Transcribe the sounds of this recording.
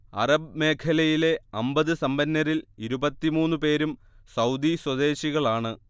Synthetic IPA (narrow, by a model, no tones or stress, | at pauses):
ɐrɐbme̞ːkʰɐlɐjile̞ɐmbɐðɨsɐmbɐnːɐɾiliɾubɐt̪ːimuːnːupe̞ːɾumsɐwd̪iswɐd̪e̞ːɕiɣɐɭaːɳɨ